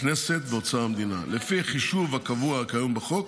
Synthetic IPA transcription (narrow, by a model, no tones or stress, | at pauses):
kneset̪̚beot͡saamd̪ina̰lefiχiʃuvhakavuaakajombeχo̞k̚